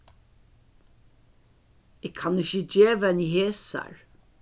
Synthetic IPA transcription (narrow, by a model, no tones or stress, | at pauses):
ɛɡkʰːɑnɪçəd͡ʒeːʋɛniɦeːsa̰ɹ